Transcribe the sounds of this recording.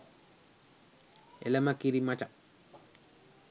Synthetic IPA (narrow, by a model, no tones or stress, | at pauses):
ɛ̰lamakiɾimat͡ʃa